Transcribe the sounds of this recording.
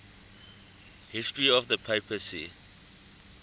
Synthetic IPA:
hɪstɹiɔvðəpʰeɪpəsḭ

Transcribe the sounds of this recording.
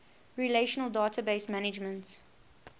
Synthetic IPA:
ɹileʃənəlˠdɑːtʰəbeɪsmænɪd͡ʒmə̃nt

